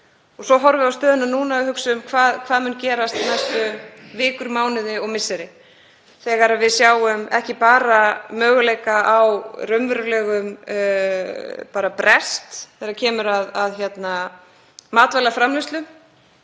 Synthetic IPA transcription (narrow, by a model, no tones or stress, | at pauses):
ɔɣsɔɦɔɾvɪawst̪œːðʏnanuːnaɪhʏksʏʏmkʰvaːðkʰvaːðmʏncɛːɾast̪nɛsːʏvɪːkʏɾmaːwnɪðɪɔɣmɪsːɪɾɪ | θɛːɣaɾavɪðsjaːwʏmɛhcɪpaːɾamœːɣʏleːjkaʔawrœmvʏɾʏlɛːɣʏm | paːɾapɾɛst̪θɛɾacʰɛːmʏɾaðaðçjɛt̪na | maːt̪valafɾamlɪst̪lʏm